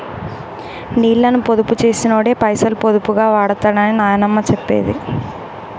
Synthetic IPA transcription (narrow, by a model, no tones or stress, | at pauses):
niːɭːɐnupod̪uput͡ʃe̞ːsinoːɽeːpɐjsɐlpod̪upuɡaːʋaːɽɐt̪aːɽɐninaːjɐnɐmːɐt͡ʃɛpːḛːd̪ḭ